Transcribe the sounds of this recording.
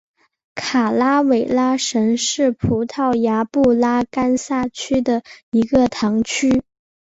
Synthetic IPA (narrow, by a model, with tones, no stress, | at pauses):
kʰa˨˩la˥we˨˩ɪla˥ʂə˧˥ŋʂɻ̩˥˩pʰu˧˥t̪ʰɑ˥˩ʊja˧˥pu˥˩la˥ka˥nsa˥˩t͡ɕʰy˥d̪ə˨i˧˥ɡə˧t̪ʰɑ˧˥ŋt͡ɕʰy˥